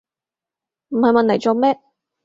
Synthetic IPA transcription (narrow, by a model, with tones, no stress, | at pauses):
m̩˨˩hɐ˨jmɐ˨nʰɐ˨˩jt͡soː˨˧mɛː˥